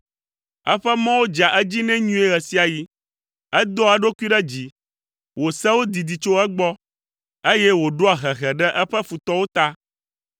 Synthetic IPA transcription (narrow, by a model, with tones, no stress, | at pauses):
ɛ̰˦ɸɛ˦mã˦wo˦d͡ʒa˨ʔɛ˦d͡ʑi˦nɛ̃˦ɲũ˦e˦ɣɛ˨si˦a˨ji˦ | ɛ˦d̪ɔ˦a˨ɖo˦ku˦i˦ɖɛ˦d͡ʑi˨ | wo˨sɛ˦wo˦d̪i˨d̪i˨t͡ʃo˦ɛ˦ɡ͡bɔ˦ | e˦jɛ˦wo˨ɖo˦a˨ɦɛ˨ɣɛ˨ɖɛ˦ʔɛ˦ɸɛ˦fu˨t̪ɔ˦wo˦t̪a˦